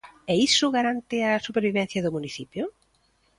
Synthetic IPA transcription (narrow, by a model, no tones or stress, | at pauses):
ɛisʊɣaɾant̪ɪasupeɾβiβɛ̃n̟θjɐðʊmuniθipjʊ